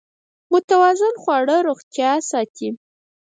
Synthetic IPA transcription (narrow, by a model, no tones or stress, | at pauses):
mʊt̪awɑzɪnxwɑɽəɾoxt̪jɑasɑt̪ʰi